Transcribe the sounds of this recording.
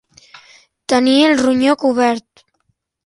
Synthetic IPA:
t̪ənielˠruɲokuβɛɾt̪

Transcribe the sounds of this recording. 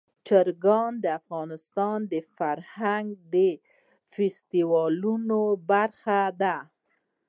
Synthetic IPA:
t͡ʃəɾɡɑnd̪əafɣɑnɪst̪ɑnd̪əfaɾhaŋɡd̪ə | fɪst̪iwɑlunobaɾxad̪a

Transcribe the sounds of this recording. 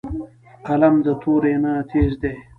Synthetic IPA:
qɐlɐmd̪ət̪ʰoːɾenat̪ʰeːʐd̪eː

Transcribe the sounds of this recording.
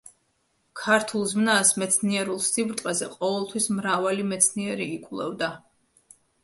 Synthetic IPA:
kʰaɾt̪ʰulˠzmnasmɛt̪sʰniɛɾulˠsibɾt̪ʼqʼɛzɛqʼɔvɛlˠt̪ʰwismɾavalimɛt̪sʰniɛɾiːkʼulˠɛ̰vd̪a

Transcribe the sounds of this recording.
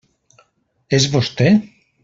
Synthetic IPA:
ezβost̪e

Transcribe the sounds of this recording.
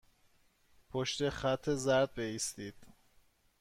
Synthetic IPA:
pʰoʃt̪e̞χæt̪ʰːezæɾd̪̚beiːst̪iːd̪̥

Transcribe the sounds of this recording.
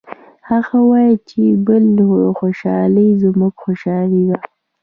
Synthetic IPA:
haɣawɑjit͡ʃebəlxoʃɑləjzmuɡxoʃɑlid̪a

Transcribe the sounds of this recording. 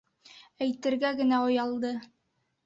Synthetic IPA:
æjt̪ɘ̆ɾɡæɡɘ̆næŏjɑlˠd̪ɤ

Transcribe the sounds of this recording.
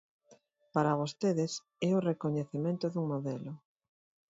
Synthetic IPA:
paɾaβ̞ost̪eðes | ɛorekoɲeθemẽnt̪ʊðuŋmoðɛlʊ

